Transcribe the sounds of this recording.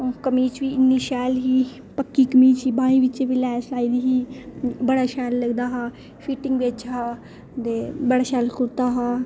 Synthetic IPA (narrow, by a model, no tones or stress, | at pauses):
kəmiːt͡ʃʋiːɪnːiːʃɛːlɦiː | pəkːiːkəmiːt͡ʃiːbãːĩːʋɪt͡ʃːʋilɛːslaːiːd̪iːɦiːbəɽaːʃɛːlːəɡd̪aːɦaː | pʰiːʈɪŋɡʋet͡ʃɦaː | t̪eːbəɽaːʃɛːlkʊɾt̪aːɦaː